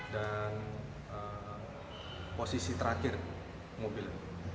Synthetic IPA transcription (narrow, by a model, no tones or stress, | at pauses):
dan | ə | posisit̪əɾakɪr | mobil